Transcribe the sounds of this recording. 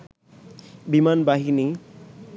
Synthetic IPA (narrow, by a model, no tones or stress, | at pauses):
bimanbaɦini